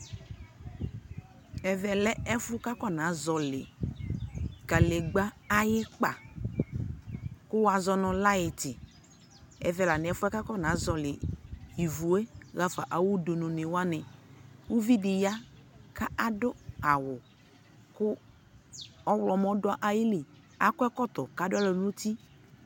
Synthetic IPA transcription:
ɛ˨vɛ˨lɛ˦ɛ˦fʊ˦ka˦kɔ˦˨nã˨˦zɔ˨lɪ̰˨ | ka˨le˨ɡ͡ba˦ | a˦jɪ˦k͡pa˨ | kʊ˦wa˨zɔ˦nʊ˨la˦ɪ˨tɪ˨ | ɛ̰˨vɛ˨la˨nɪ˨ɛ˦fʊ˦ɛ˦ka˦kɔ˦nã˨˦zɔ˨lɪ˨i˨vu˨e˦ɣa˦fa˨ʔa˨wʊ˦do˨nʊ̃˨nɪ˨wa˦nɛ˨wo˦vi˦dɪ˨ja˦ka˦a˨dʊ˦a˨wʊ˨ | kʊ˦ | ɔ˦wlɔ˨mɔ̃˨˦dʊ˦a˦ʔa˨jɪ˦lɪ˨ | a˦kɔ˦ɛ˦kɔ˦kt̪ɔ˨ka˨˦dʊ˦a˦lɔ˨nu˦t̪i˦

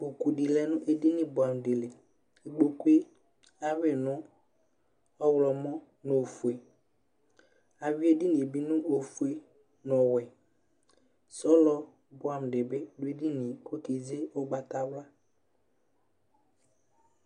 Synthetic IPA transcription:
k͡po˨ku˨di˨lɛ˨˦nʊ̃˦ʔe˦di˦nɪ̃˦bʊ˨a˨m˨de˨le˨ | e˨ɡ͡bo˨ku˦e˦ | a˦we˦˨nʊ̃˦ | ɔ˦wlɔ˨mɔ̃˦ | nʊ˨o˨fu˨e˨ | a˨wi˦e˦di˦nɪ̃˨bi˦nʊ̃˦ʔo˨fu˨e˨ | nɔ̃˨wɛ˨ | sɔ˦lɔ˦ | bʊ˦˨a˨m˨ɖɪ˨be˦dʊ˦e˦di˦nɪ̃˨ko˦ti˨d͡zɪ˦ɔ˦ɡ͡ba˨t̪a˨wla˦

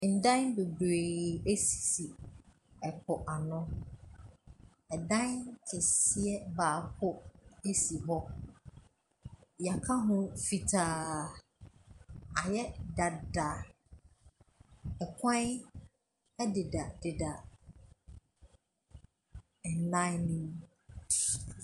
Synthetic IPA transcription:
n̩˨dã˦be˨bɾe˨e˦si̥˨si˨ | ɛ˨kʰɔ˨ʔa˨nʊ̃˦ | ɛ˨dã˦kʰɛ˨si˦ɛ˦baː˨hʰʊ˦e˦si˨ɦɔ˦ | ja˨kʰa˦ɦʊ̃˦fi˨tʰaː˨ | a˨jɛ˦da˨da˨ | ɛ˨kʷʰã˦n˦ | ɛ˦dɪ˨da˨dɪ˨da˨ | ɛ̃˨nla˦ɪ˦nĩ˦m

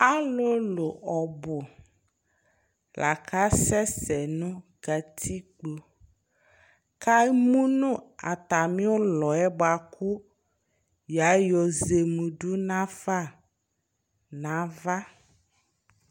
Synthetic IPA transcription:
a˦lo˦lo˨ɔ˨bo˨ | la̰˨ka˦sɛ˦sɛ˨nũ˦ | ɡ̥a˨t̪ʰi˦k͡po˨ | ka˦mũ˦nũ˦a̰˨t̪a˨mĩ˦wo˦lɔ˨ɛ˦ba˨ku˦ | ja˨˦jɔ˨ze˨mũ˨ɖu˦nã˦fa˦˨ | nã˨˦va˦

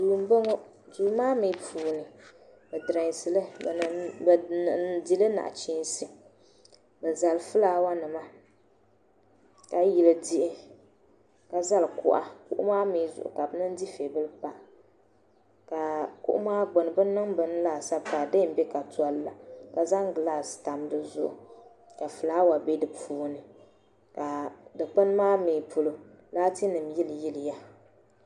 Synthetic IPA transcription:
duː˨m˦bŋ˦ | duː˨˦maː˦mi˨˦puː˨nɨ˨bɨ˨dɨ˨ɾa˨ŋ˨sɨ˨lɨ˦˨bdi˦lɨ˦na̰˨ʔt͡ʃi˦n˦sɨ˨ | bɨ˨za˨lfɨ˦laː˦wa˦nɨ˨ma˦ | ka˨ji˨lɨ˨di˦ʔɪ˦ | ka˨za˦lkʊ̰˨ʔa̰˨kʊ̰˦ʔʊ̰˦maː˦mi˨˦zʊ̰˨ʔʊ̰˨ka˨bɨ˨˦nɨ˦n˦di˦fe˨bɨ˦lɨ˦pa˨ʔ | ka˨kʊ̰˦ʔʊ̰˦maː˦ɡ͡bʊ˨nɨ˨bɨ˦nːɨ˦ŋbɨ˨n˦laː˨sa˦pa˨dɨ˦m̩˦bɛ˦ka˨tu˨˦a˦lla˨ka˨za˦ŋɡlaː˦˨sta˨m˦dɨ˦zʊ̰˦ʔʊ̰˨ | ka˨fɨ˨laː˦wa˨be˦dɨ˨pʰuː˦nɨ˨ | ka˨dɨ˨k͡pɨ˦n˦maː˦meː˨pʰʊ˨lo˨laː˦ti˦nɨ˨m˨ji˦ljɪ˦lɨ˨ja˦

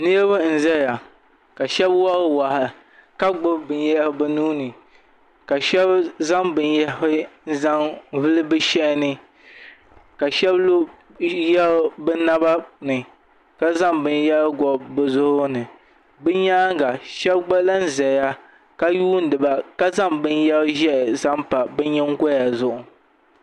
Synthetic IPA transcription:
nɨ˦ɛ˦bɨ˦n̩˨zɛ˦˨ja˨ | ka˨ʃɛ˦bwa˦ɾwa˨hɪ˨ | ka˦ɡ͡bʊ˦bɨ˨njɛ˦hbɨ˦nuː˦nɨ˨ | ka˨ʃɛ˦bza˦ŋbɨ˨njɛ˦ɪ˦n̩˦za˦ŋvɨ˦lɨ˦bɨ˦ʃɛ˦ʔɪ˦nɨ˦ | ka˨ʃɛ˦blo˦ | jɛ˦ɾbɨ˦na˦ba˦nɨ˨ | ka˦za˦mbɨ˦njɛ˦lɡɔ˨bɨ˨zʊ˦hʊ˦nɨ˨ | bɨ˦ɲaː˦ŋ˦ɡa˨ʃɛ˦bɡ͡ba˦la˦n̩˦zɛ˨ja˦ | ka˦juː˦n̩˦dɨ˨ba˨ka˦za˦˨mbɨ˦njɛ˦bʒɛ˦ʔza˦mpa˨bɨ˦ɲɛ˦ŋ˦ɡɔ˦ja˨zʊ˦˨ʔʊ˨

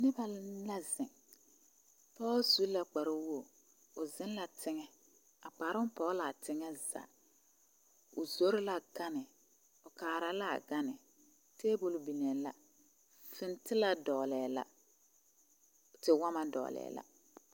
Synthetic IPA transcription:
nɪ˦ba˦la˦zɪ˨ŋ | pɔː˦zu˦la˨k͡pa˨ɾʊ˦wo˦˨ | ʊ˨zɪ˦n˦la˨tʰɪ˦ŋɛ˦ | a˨k͡pa˨ɾʊ˦m˦pɔ˨˦la˨tʰɪ˦ŋɛ˦za̰˨ | ʊ̰˨zo˦ɾɪ˦la˨ɡa˦nɪ˨ | ʊ˨kaː˨ɾa˨la̰˦˨ɡa˦nɪ˨ | tʰeː˦bu˦lʊ˨bi˨nɛ˨la˨ | fɪ˦ntɪ˦la˦dɔː˨lɛː˨la̰˦ | tɪ˨wa˦ma˦dɔ̰˨lɛ̰ː˨la̰˨

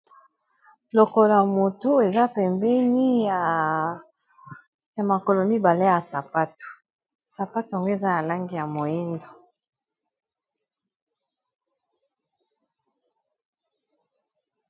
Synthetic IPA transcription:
lo˨ko˨la˨mo˨tu˦e˨za˦pɛ˨mbɛ˦ni˦˨ | ja˨ma˨ko˨lo˨mi˦ba˨le˦ja˨sa˨pa˦to̥˨ | sa˨pa˦tu˨a˨ŋɡo˦e˨za˦na˨la˦ŋɡi˦ja˨mo˨ji˦ndo˨

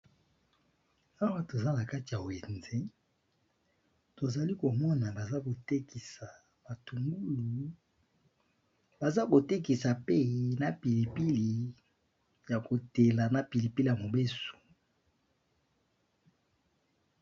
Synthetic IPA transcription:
a˦wa˦to˨za˦na˨ka˦ti˨ja˨we˨nze˦ | to˨za˨li˦ko˨mɔ˦na˨ba˨za˦ko˨te˦ki˨sa˨ | ba˨tu˨ŋɡu˦lu˨ | ba˨za˦ko˨te˦ki˨sa˨pe˦na˨pi˨li˨pi˦li˨ | ja˨ko˨te˨la˨na˨pi˨li˨pi˦li˨a˨mo˨be˦so̥˨

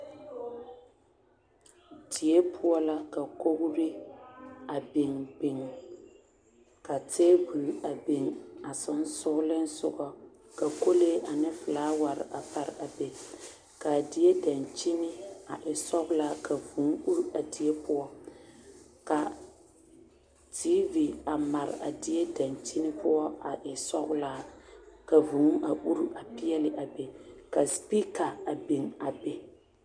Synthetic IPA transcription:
di˨e˦pʰʊ˦ɔ˦la˦ka˨ko˦ɣʊ˦ɾɪ˦ | a˨bɪ˨ŋbɪ˨ŋ | ka˨teː˦bu˨la˨be˨ŋa˨sʊ˦n˦sʊ˦ɣlɪ˦n̩˦sʊ˦ɡɔ˦ | ka˨ko˦le˦ʔa˨nɪ˦fɨ˨laː˨˦wa˨ɾɪ̰˨ʔa˨pa˨ɾa˨be˨ | ka˨di˨je˦da˨nt͡ʃi˦nɪ˦a˨ʔɪ˨sɔ˦ɣʊ˦laː˦ka˨vu˨˦ŋ˦u˦ɾu˦a˨di˨e˦pʊ˦ɔ˦ | ka˨ | tiː˦vi˨a˨ma˨ɾɪ̰˨a̰˨dɪ˨˦e˦da˨nt͡ʃi˦nɪ˦pʊ˦ɔ˦a˨ʔɪ˨sɔ˦ɣʊ˦la˦ka˨vu˨˦ŋ˦a˨ʔu˦ɾu˦ʔa˨pi˦ɛ˦lɪ˨ʔa˨be˨ka˨spi˦ka˨a˨bi˨ŋa˨be˦

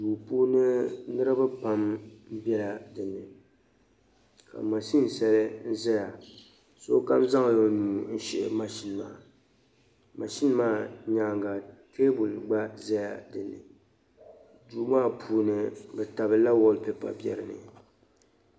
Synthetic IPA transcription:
duː˨puː˦nɨ˦nɨ˦ɾɨ˦ba˦pa˦mm̩˦bɛ˦la˨dɨ˨nːɨ˨ | ka̰˨ma˨ʃi˦n˨sɛ˦lɨ˦n̩˦zɛ˦ja˨ | so̰˦ka˦mza˦ŋ˨jo˨nuː˨n̩˦ʃɛ˦ʔma˨ʃi˦n˨maː˦˨ | ma˨ʃi˦n˦maː˦ɲa˨ŋɡa˨ke˦bu˨lɡ͡ba˦za˦ja̰˨dɨ˨nːɨ̰˨ | du˨˦maː˦˨pʰuː˦nɨ˨bɛ˨ta˨bɨ˨la˦wo˦lpɛ˦pa̰˨bjɛ̰˨ɾɨ˨nɨ̰˨

